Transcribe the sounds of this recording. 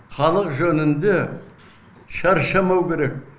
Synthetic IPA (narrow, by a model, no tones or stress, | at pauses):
χɑlˠəqʒɵnɪnd̪e | ʃɑɾʃɑmɑwkʲʰe̞ɾe̞k̚